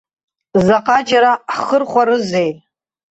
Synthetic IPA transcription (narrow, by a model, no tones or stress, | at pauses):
zaqʼad͡ʒaɾaħχərχʷaɾɨzej